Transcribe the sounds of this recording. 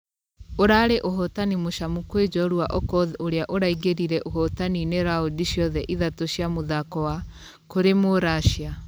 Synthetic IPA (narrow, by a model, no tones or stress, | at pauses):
oɾaɾeʔoɦɔtanimoʃamukwed͡ʒɔɾuaʔɔkɔðoɾeaʔoɾaiɡeɾiɾɛʔoɦɔtanineɾaodiɕjɔðɛʔiðatoɕjamoðakɔwa | koɾemoɾaʃia